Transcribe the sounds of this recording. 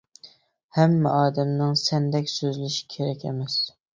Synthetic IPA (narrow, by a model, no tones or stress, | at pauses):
hæmːɛʔɑːd̪ɛmnɪŋsɛnd̪ɛkʲsøzlɪʃɪ̥kʲʰeɾɛkʲḛmɛs